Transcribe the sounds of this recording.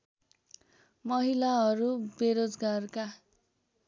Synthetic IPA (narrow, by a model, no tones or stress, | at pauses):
mʌɦilaɦʌɾubeɾod͡zɡarka